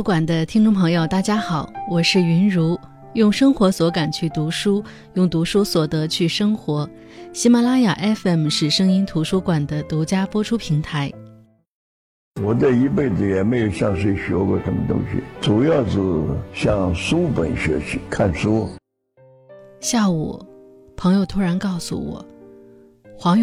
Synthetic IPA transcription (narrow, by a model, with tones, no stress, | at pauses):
kwa˨˩nd̪ə˦t̪ʰi˥ŋʈ͡ʂʊ˥˩ŋpʰɤ˧˥ŋjo˧ʊt̪a˥˩t͡ɕja˥xɑ˨˩˦ʊwɔ˨˩ʂɻ̩˥˩y˧˥nɻu˧˥ | jʊ˥˩ŋʂɤ˥ŋxwɔ˧˥swɔ˧˥ka˨˩nt͡ɕʰy˥˩t̪u˧˥ʂu˥ | jʊ˥˩ŋt̪u˧˥ʂu˥swɔ˨˩t̪ɤ˧˥t͡ɕʰy˥˩ʂɤ˥ŋxwɔ˧˥ | ɕi˧˥ma˨˩la˥ja˨˩ʔɛ˥fɛ˥˩mʂɻ̩˥˩ʂɤ˥ŋi˥nt̪ʰu˧˥ʂu˥kwa˨˩nd̪ə˦t̪u˧˥t͡ɕja˥pwɔ˥ʈ͡ʂʰu˥pʰi˧˥ŋt̪ʰa˧˥ɪ | wɔ˧˥t͡sə˥˧i˧˥pe˥˩ɪd͡zɹ̩˩jɛ˨˩me˧˥ɪjo˨˩ʊɕjɑ˥˧ŋʂ̬e˥˩ɪɕy˨˩ɔ˥kwɔ˥˩ʂə˧˥mə˧t̪ʊ̰˥ŋɕḭ˨˩t͡su˨˩jɑ˥˩ʊd͡z̩˧ɕjɑ˥˩ŋsu˥pə̰˨˩nɕɥɛ̰˧˥ɕʰi˧˥kʰa˥˩nsu˥ | ɕja˥˩ṵ˨˩ | pʰɤ˧˥ŋjo˧ʊt̪ʰu˥ɻa˧˥nkɑ˥˩ʊsṵ˨˩wɔ̰˨˩˦ | xwɑ˧˥ŋ